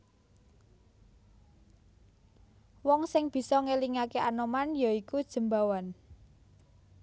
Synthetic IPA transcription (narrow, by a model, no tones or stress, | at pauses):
wɔŋsɪŋb̥i̤sɔŋeliŋakeʔanomanjaikud̥ʒ̥ə̤mbawan